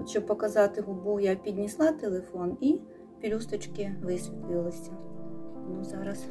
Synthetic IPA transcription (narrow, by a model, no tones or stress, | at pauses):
ʃt͡ʃɔbpɔkɐzɑt̪ɪɦɔbujapʲid̪ʲnʲislˠɑt̪elˠefɔni | pʲilʲust̪ɔt͡ʃkɪʋɪsʲʋʲit̪lˠɪlˠɐsʲɐ | nuzɑɾɐs